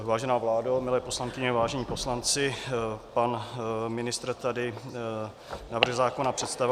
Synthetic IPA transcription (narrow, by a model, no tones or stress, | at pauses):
vaːʒɛnaːvlaːdomɪlɛːposlaŋkɪɲɛvaːʒɛɲiːpo̞slant͡sɪpanmɪnɪst̪rt̪adɪ | navr̩ɣzaːko̞napr̝̥ɛt̪st̪av